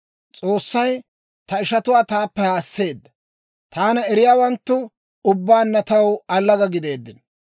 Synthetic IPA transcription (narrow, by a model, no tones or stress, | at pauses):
t͡sʼo̞ːsːɐj | t̪ɐɪʃɐt̪ʊwaːt̪aːpːɛhaːsːe̞ːd̪ːɐ | t̪aːnɐɛɾɪjaːwɐnt̪ːʊ | ʊbːaːnːɐt̪ɐwɐlːɐɡɐɡɪd̪e̞ːd̪ːɪn